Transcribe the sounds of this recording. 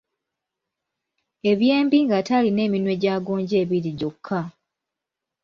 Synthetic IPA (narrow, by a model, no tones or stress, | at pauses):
e̞βje̞ːmbiŋɡataline̞ːminwe̞ɟaɡoːɲɟe̞ːβiɾiɟokʰːa